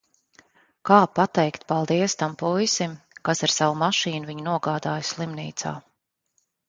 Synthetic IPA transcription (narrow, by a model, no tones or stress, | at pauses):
kaːpat̪ɛjkt̪palˠd̪iɛst̪ampujsimkasiɾsawumaʃiːnuviɲunuɔɡaːd̪aːjsʲlˠimniːt̪sa̰ː